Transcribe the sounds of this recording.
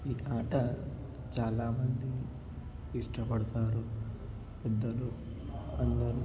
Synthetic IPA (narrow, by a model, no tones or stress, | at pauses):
iʔaːʈɐ | t͡ʃaːlaːmɐnd̪i | iʂʈɐpɐɽɐt̪aːɾu | pɛd̪ːɐluɐnd̪ɐɾu